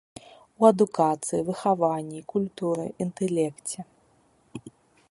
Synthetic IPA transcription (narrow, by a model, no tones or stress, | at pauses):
wɐd̪ukat̪sɨjivɨxavanʲːikulʲt̪uɾɨ̰ʔint̪ɛlʲɛkt͡sʲɛ